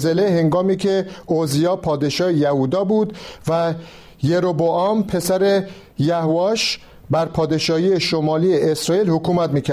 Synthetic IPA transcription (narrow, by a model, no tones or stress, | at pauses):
zelehe̞ŋɡɒːmiːcʰeozijɒːpʰɒːd̪e̞ʃɒːhejæhud̪ɒːbuːd̪væ | jeɾoboɒːmpʰe̞sæɾe | jæhoɒːʃ | bæɾpʰɒːd̪e̞ʃɒːhiːeʃomɒːliːeesɾɒːiːlhokuːmæt̪miːcʰæ